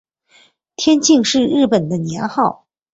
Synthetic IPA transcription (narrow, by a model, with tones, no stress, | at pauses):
t̪ʰjɛ˥nt͡ɕi˥˧ŋʂɻ̩˥˧ɻɻ̩˥˩pə˨˩nd̪ə˦njɛ˧˥nxɑ˥˩ʊ